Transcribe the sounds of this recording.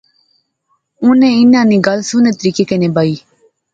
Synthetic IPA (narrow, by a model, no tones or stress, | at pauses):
ʊnẽːɪnːãːnĩːɡəlsʊnẽːt̪əɾiːkeːkenẽːbaːiː